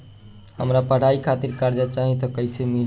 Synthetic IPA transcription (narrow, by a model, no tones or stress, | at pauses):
həmɾapəɽ̤aikʰat̪iɾkaɾd͡ʒat͡ʃaɦit̪ɔkəɪsemi